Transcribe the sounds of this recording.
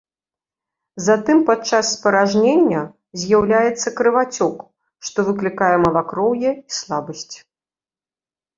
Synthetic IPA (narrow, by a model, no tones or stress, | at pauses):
zat̪ɨmpat͡ʂasːpɐɾaʐnʲenʲːɐ | zʲjawlʲajɛt̪sːɐkɾɨvat͡sʲɔk | ʂt̪ɔvɨklʲikajɛmɐlˠakɾɔwjɛislˠabɐsʲt͡sʲ